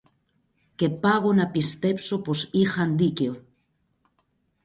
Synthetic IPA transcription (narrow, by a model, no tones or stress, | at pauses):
kepaɣonapist̪epsoposixand̪ikeo